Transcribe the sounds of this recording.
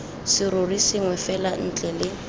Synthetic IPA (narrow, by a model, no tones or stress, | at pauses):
sɪɾʊrisɪŋwɛfɛlan̩t͡ɬʼɛlɪ